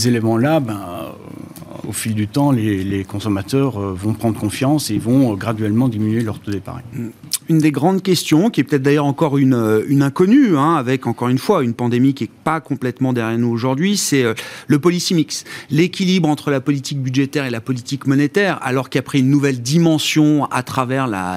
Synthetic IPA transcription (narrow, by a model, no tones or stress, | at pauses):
zelemɑ̃labɛ̰̃ | o̰fild̪yt̪ɑ̃lelekɔ̃sɔmat̪œːʁøvɔ̃pχɑ̃d̪ʁəkɔ̃fjɑ̃sevɔ̃øɡʁad̪ɥɛlmɑ̃d̪iminyelœʁt̪ud̪epa̰ʁḭynd̪eɡʁɑ̃d̪kʲɛst̪jɔ̃kʲiɛpøt̪ɛt̪̚χd̪ajœʁɑ̃kɔʁynøynɛ̃kɔnyɛ̃avɛkɑ̃kɔʁynfwaynpɑ̃d̪emikʲiɛpakɔ̃plɛt̪mɑ̃d̪ɛʁjɛʁnuoʒuʁd̪ɥisɛøləpɔlisimikslekʲilibʁɑ̃t̪χəlapɔlit̪ik̚byd̪ʒet̪ɛʁelapɔlit̪ikmɔnet̪ɛʁa̰lɔʁkiapχiynːuvɛld̪imɑ̃sjɔ̃a̰t̪χavɛʁla̰